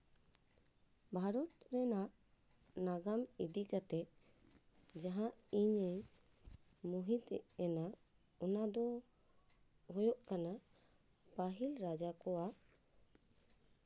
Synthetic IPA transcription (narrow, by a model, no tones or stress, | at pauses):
bʱaɾɔt̪ɾɛnaʔ | naɡamid̪ikat̪ɛʔ | d͡ʒaɦãʔiɲɛ | muɦit̪ɛ̰ʔɛnaʔ | ɔnad̪ɔ | ɦɔjɔʔkana | paɦilɾad͡ʒakɔwa